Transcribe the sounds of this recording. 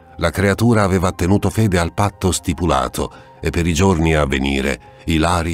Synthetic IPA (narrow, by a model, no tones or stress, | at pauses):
lakɾeat̪uːɾaːveːvat̪ːenuːt̪ofeːd̪ealpat̪ːost̪ipula̰ːt̪ʰo̰ | epːeɾid͡ʒorniavːeniːɾḛ | ilaːɾi